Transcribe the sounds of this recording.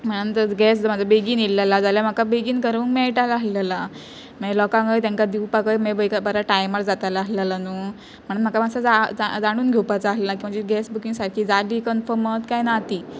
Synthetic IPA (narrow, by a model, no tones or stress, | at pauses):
m̤əɽ̃ənt̪əɡɛsmad͡zʱabeɡiːnilːalad͡zaljam̤akabeɡiːnkəɾəːŋkmɛɭʈalaɦlala | mɛlɔkãŋɡəjt̪ãŋkad̪iwpakəjmebəjkabəɾaʈajmaɾd͡zat̪alaːslalanuː | m̤əɽ̃ənm̤akamasad͡zad͡zad͡zaɽ̃uːnɡʱewpat͡saːɦlelakĩʋad͡ʑiɡɛsbukiŋɡsaɽkʰiːd͡zaliːkənfəmət̪kajnat̪iː